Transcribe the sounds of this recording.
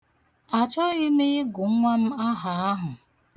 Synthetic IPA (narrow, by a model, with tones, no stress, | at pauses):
a˨t͡ʃɔ˦ɣɪ˦mɪ˦ɪ˦ɡʊ˨˦ŋʷa˦m̩˦a˦ɦa˨a˦ɦʊ˨